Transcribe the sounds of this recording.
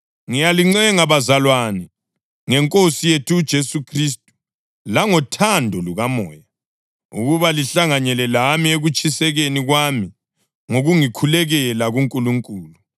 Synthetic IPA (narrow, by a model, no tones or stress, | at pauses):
ŋijaliŋ͡ǀɛŋaβazalwanɛ | ŋɛŋkʼosijetʰuːd̥ʒ̥ʱesukʰris̬tʼu̥ | laŋɔtʰandʱɔluɣamɔ̰ːja | ṵɣuβaliɬaŋaɲɛlɛlamieɣut͡ʃʼisɛɣeniɣwami | ŋoɣuŋikʰulɛɣɛlaɣuŋkʼuluŋkʼuːlu